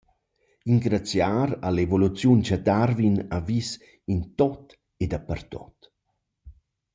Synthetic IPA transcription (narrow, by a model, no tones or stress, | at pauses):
iŋɡɾat͡sjaːɾalevolut͡sjunt͡ʃad̪arvinavis | int̪ɔt̪ | ed̪apərt̪ɔ̰t̪